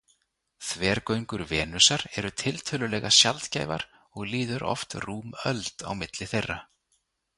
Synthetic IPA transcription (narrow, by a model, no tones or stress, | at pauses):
θvɛːɾkœɥŋkʏɾvɛːnʏsaɾɛɾʏt̪ʰɪlt̪ʰœːlʏlɛːɣasjalt̪caːjva̰ɾ̥ | ɔɣliːðʏɾʔɔ̰ft̪ruːmœlt̪a̰wmɪt̪lɪθejrːa